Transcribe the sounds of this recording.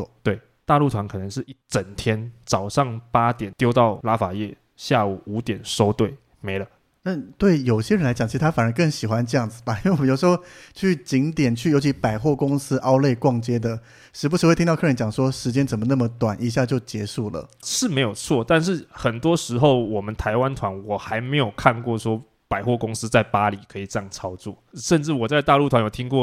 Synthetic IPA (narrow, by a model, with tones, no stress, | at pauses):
ɔ˧˩t̪we˥˩ɪ | t̪a˥˧lu˥˩t̪ʰwa˧˦nkʰɤ˨˩nə˧˦ŋʂɻ̩˥˧i˥˩t͡sə˨˩nt̪ʰjɛ˥nt͡sɑ˨˩ʊʂɑ˥˩ŋpa˦˥t̪jɛ˨˩nt̪jo˥ʊt̪ɑ˥˩ʊla˥fa˨˩jɛ˥˧ | ɕja˥˩u˨˩u˧˥t̪jɛ˨˩nʂo˥ʊt̪we˥˩ɪ | me˧˥˦ɪlə˧ | na˥˧t̪we˥˩ɪjo˨˩ʊɕjɛ˥ɻə˧˦nla˧˥t͡ɕɑ˨˩ŋt͡ɕʰi˧ʂ̩˥˧t̪ʰa˥fa˨nə˧˥ŋkə˥˩ŋɕi˨˩xwa˦nʈ͡ʂɤ˥˧jɑ˥˩ŋd͡zɹ̩˨˩ba˨˩i˥nwe˥˩˨jo˨˩ʂɻ̩˧xo˥˧ʊt͡ɕʰy˥˩t͡ɕi˧˥ŋt̪jɛ˨˩nt͡ɕʰy˥˩jo˧˥t͡ɕʰi˧˥pa˨˩ɪxwɔ˥˩kʊ˥ŋsɹ̩˥ʔɑ˥ʊle˥˧ɪkwɑ˥˩ŋt͡ɕjɛ˥d̪ə˨ | ʂɻ̩˧˥pu˧˥ʂ̩˧˥wt̪ʰi˥t̪ʰɤ˥˩ə˧˥nt͡ɕjɑ˨˩ŋʂwɔ˥ʂɻ̩˧˥t͡ɕjɛ˥nt͡sə˨˩nmə˩˦na˥˩mə˦t̪wa˨˩ni˧˥ɕja˥˧t͡ɕjo˥˩ʊt͡ɕjɛ˧˥ʂu˥˩lə̰˩ʂɻ̩˥˩me˧˥ɪjo˨˩ʊt͡sʰwɔ˥˩t̪a˥˧nʂ̬ɻ̩˥˩xə˨˩nt̪wɔ˦˥ʂɻ̩˧˥xo˥˩ʊwɔ˨˩mə˦nt̪ʰa˧˥ɪwa˦nt̪ʰwa˧˦nwɔ˨˩xa˧˥ɪme˧˥ɪjo˨˩ʊkʰa˥˧nkwɔ˥˩ʂwɔ˥ | pa˨˩ɪxwɔ˥˩kʊ˥ŋsɹ̩˥t͡sa˥˩ɪpa˦li˨˩kʰɤ˧˥i˨˩ʈ͡ʂŋt͡sʰɑ˥ʊt͡swɔ˥˩ʂə˥˧nʈ͡ʂɻ̩˥˩wɔ˨˩t͡sa˥˧ɪt̪a˥˧lu˥˩t̪ʰwa˦˥jt̪ʰi˥ŋkwɔ˥˨